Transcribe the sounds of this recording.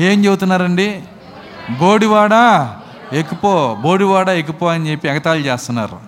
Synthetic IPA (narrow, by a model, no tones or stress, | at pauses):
e̞ːmt͡ʃe̞but̪unːaːɾɐɳɖi | boːɽiʋaːɽa | ekupoboːɽiʋaːɽaek̬upoːɐnit͡ʃe̞pːiɛɡɐt̪aːlut͡ʃeːst̪unːa̰ːɾu